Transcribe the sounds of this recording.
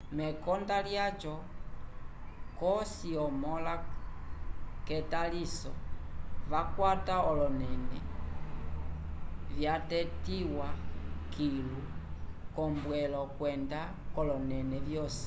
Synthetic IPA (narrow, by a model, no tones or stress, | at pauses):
mɛkɔndaljat͡ʃɔ | kɔsiɔmɔla | kɛtalisɔ̰ | vakwataɔlɔnɛnɛ̰ | vjatɛtiwakʰilu | kɔmbwɛlɔkwɛnda | kɔlɔnɛnɛvjɔsi̥